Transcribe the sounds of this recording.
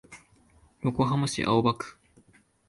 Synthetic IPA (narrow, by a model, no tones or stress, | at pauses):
jokoɦamaɕḭʔa̰obakɯ̥